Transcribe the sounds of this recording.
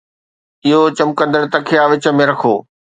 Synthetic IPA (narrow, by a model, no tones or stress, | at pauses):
ɪɦot͡ɕɐmkə̃nd̪əɽt̪ɐkʰeaːʋɪt͡ɕə̆mẽɾɐkʰoː